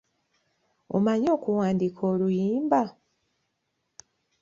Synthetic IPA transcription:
o̰maɲo̞ːkuwaːndikʰoːlujiːmba

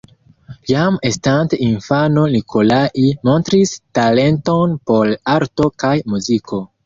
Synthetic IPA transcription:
jamestanteinfano̞nikʰo̞laʔimo̞ntɾistale̞nto̞npo̞laɾto̞kajmuziko̞

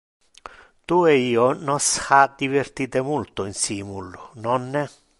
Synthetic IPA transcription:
t̪ueiːonɔsxad̪ivert̪iːt̪ɪmult̪ʊinsiːmulːʊnɔnːɛ

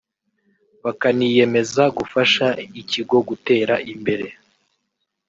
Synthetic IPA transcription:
βakanije̞me̞zaɡufaʃaiciɡo̞ɡute̞ːɾaʔimbe̞ɾe̞

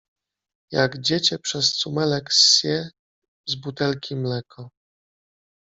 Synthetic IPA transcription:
jaɡd͡ʑet͡ɕɛpʂɛst̪sumɛlɛksjɛ | zbut̪ɛlkʲimlɛkʰɔ

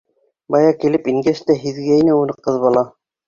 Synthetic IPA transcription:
bɑjɑkilɘpiŋɡæst̪æɦiðɡæinɘunɤqɤðβɑlˠɑ

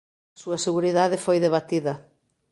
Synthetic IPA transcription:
ɐsuɐseɣuɾiðaðɪfojðeβ̞at̪iðɐ

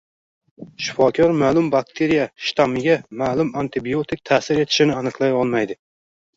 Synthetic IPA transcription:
ʃɪ̥fɒkʲʰɒɾmaːlˠʊmbak̚t̪ʰeɾijaʃt̪ʰamɪɡʲamaːlʊmant̪ʰɪbiot̪ʰɪk̚ʲt̪ʰaːsɪɾe̞t̪ʰɪ̥ʃɪnɪanɨqlˠajɒlˠmajd̪ɪ

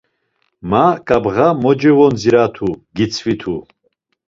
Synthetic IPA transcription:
makʼabʁamɔd͡ʒɛvɔnd͡ziɾat̪ʰuɡit͡sʰvit̪ʰu

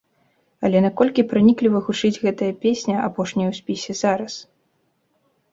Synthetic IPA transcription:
ɐlʲɛnakɔlʲkʲipɾanʲiklʲivɐɣut͡ʂɨd͡zʲɣɛt̪ɐjɐpʲesʲnʲɐapɔʂnʲɐjɐwsʲpʲisʲɛzaɾɐs

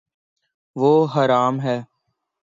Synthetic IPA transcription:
ʋoːɦəɾaːmɦɛː

